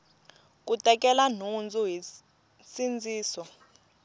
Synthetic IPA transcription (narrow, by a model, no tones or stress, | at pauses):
k̬ʼutʼɛk̬ʼɛlan̤und͡zʱuɦi | sind͡zʱiːsɔ